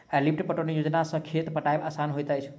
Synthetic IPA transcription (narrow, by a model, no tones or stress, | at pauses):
elip̚ʈpəʈonijod͡ʒnasə̃kʰet̪pəʈajbasanɦojt̪ajt͡ʃʰ